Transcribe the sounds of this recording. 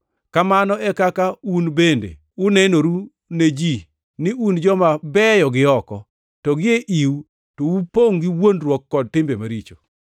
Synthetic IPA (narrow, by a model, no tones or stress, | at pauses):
kamanɔɛkakaunbendḛ | ʊnɛnoɾu | ned͡ʒi | nɪʔund͡ʒɔmabɛjɔɡɪɔkɔ̰ | tɔɡɪeʔiw | towupoŋɡɪwondɾwɔkːɔd̚tɪmbemaɾit͡ʃo